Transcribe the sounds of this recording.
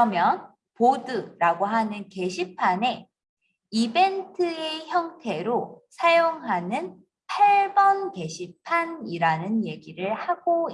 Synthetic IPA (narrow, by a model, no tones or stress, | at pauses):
ʌmjʌn | podɯɾaɡoɦanɯnke̞ɕʰipʰane̞ | ibe̞ntʰɯe̞çjʌŋtʰe̞ɾosʰajoŋɦanɯn | pʰaɭbʌnke̞ɕʰipʰaniɾanɯnje̞ɡiɾɯɭhaɡo